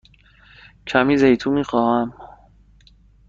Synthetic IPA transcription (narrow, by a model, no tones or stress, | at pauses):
cʰæmiːzejt̪ʰumiːxɒːhæm